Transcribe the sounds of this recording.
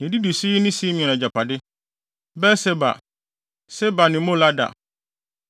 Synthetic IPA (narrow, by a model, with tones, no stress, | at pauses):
ɲɛ̃˨di˦du˨si˦nɪ̃˦si˦mĩ˨ɛ̃˨nã˨d͡ʑa˨pʰa˨dɪ˦ | bɛ˦sɛ˦ba̰˨ | sɛ˦ba˨nɪ̃˨mõ˦la˦da̰˨